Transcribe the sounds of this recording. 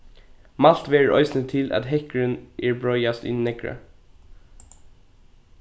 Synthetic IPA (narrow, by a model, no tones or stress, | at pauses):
mɑlt̪ʋeːəɹʔœ̰ʏsnət̪ʰɪlʔɑ̰t̪hɛkəɹənʔeːɹbɹɔʏɑst̪ɪ̰nnɛkɹə̰